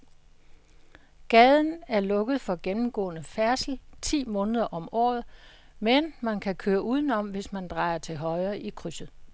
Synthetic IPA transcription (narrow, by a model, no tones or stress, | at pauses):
ɡ̥ɛðˠn̩æɐlɔ̽ɡ̥ð̞̩ˠfɒ̽ɡ̥enm̩ɡ̥ɔ̰̽ːnəfæɐsl̩t͡sʰḭːmɔ̽ːnəð̞ˠɐʔɒ̽mɒ̰ːð̩ˠ | menmænkʰækʰøːɐʔuːðˠn̩ɒ̽mʋe̝smænd̥ʁɑ̈ɪɐt͡sʰe̝ɦɒ̽ɪɐːʔikʰʁysð̩ˠ